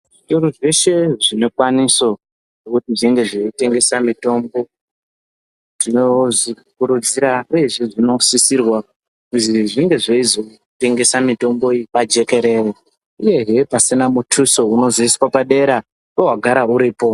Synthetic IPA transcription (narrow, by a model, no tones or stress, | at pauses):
ʐitoɾuʐe̞ʃe̞ʐino̞kwaniso̞ | ʐokutiʐiŋɡe̞ʐeite̞ŋɡe̞samito̞mbo̞ | tinozi | kuɾud͡ziɾauje̞ʐiʐino̞sisirwa | kuziʐiŋɡe̞ʐaizo̞ | te̞ŋɡe̞samito̞mbo̞iipad͡ʒe̞ke̞ɾe̞re | uje̞ɦe̞pasinamutʰuso̞uno̞ziiswapaɗe̞ɾa | powaɡʱaɾauɾiːpo̞